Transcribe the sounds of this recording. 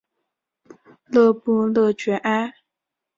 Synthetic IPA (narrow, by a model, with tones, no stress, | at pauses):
lɤ˥˧pu˥˧lɤ˥˩t͡ɕɥɛ˧˥ʔa˥